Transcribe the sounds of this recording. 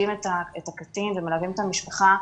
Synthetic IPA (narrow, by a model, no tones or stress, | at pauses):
imetaetakatinvemelavimethamiʃpaχa